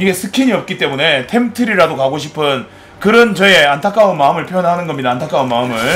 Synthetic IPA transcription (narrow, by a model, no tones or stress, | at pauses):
iɡe̞sʰɯkʰiɲiʌp̚k͈it͈e̞mune̞tʰe̞mtʰɯɾiɾadokaɡoɕʰipʰɯn | kɯɾʌnt͡ɕʌe̞antʰak͈aɯnmaɯmɯɭpʰjoʌnɦanɯnɡʌmɲidaːntʰak͈aunmaɯmɯɭ